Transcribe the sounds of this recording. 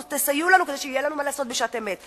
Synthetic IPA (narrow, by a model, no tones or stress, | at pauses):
t̪esajulanukd̪eʃeijelanumalaːso̞t̪̚beʃat̪emet